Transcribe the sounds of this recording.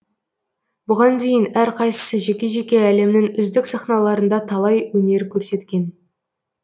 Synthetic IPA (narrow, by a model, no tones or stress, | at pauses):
bʊʁɑnd̪e̞jɪnæɾqʰɑjsə̥səʒe̞kʲe̞ʒe̞kʲe̞æle̞mnɪŋʏzd̪ɪksɑχnɑlˠɑɾənd̪ɑt̪ʰɑlˠɑjwɵne̞ɾkʲʰɵɾse̞t̪kʲe̞n